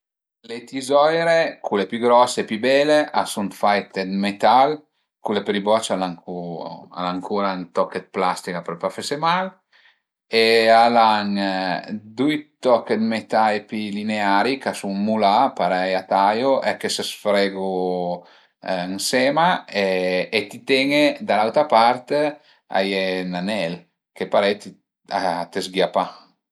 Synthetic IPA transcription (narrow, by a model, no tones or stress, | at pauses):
let̪izɔjɾekʰulepjyɡɾɔsːepybɛleʔasunt̪fajt̪ed̪met̪al | kulepeɾibɔt͡ʃalaŋkʰua̰laŋkʰuːɾant̪ɔkːet̪̚plast̪ikapeɾpɾofesjomal | ealaŋ | d̪ujt̪ɔkːet̪met̪ajpilineaɾikasuŋmulapaɾɛjat̪ajoʔɛkːesesfɾɛɡo | ŋsɛmaeːt̪it̪ɛŋed̪alawt̪ɾapaɾt̪e | a̰jɛnanɛl | kepaɾɛjt̪i | a̰t̪ezɡjapa